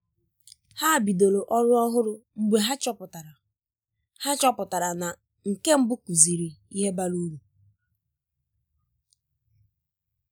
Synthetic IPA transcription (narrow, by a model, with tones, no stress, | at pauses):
ha˦˨bi˨do˨lo˨ʔɔ˦ɾʊ˦ɔ˦ɦʊ˦ɾʊ˦ŋ͡m̩˦ɡ͡be˦ɦa˦t͡ʃɔ˦pʊ˨ta˨ɾ | ha˦t͡ʃɔ˦pʊ˨ta˨ɾa˨na˨ | ŋ̩˨ke˦m̩˦bʊ˦ku˨zi˨ɾi˨i˦ɦe˦ba˦lu˦ɾu˨